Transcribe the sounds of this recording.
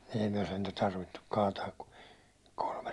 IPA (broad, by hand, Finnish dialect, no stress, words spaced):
ei myæ sentæ tɑrʋitːuk kɑːtɑːk ku kolmes